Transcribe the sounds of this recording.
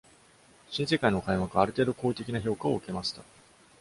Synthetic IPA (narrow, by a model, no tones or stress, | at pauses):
ɕĩɰ̃s̬e̞kainokaiβakɯaɾɯ̟t̪e̞ːd̪o̞ko̞ːit̪e̞kʲinaço̞ːkao̞ɯ̟ke̞maɕi̥t̪a